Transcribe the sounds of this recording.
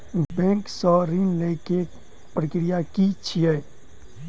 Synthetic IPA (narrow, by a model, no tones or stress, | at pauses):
bɛ̃ːŋksɔɾinleke | pɾəkɾijakit͡ʃʰiɛ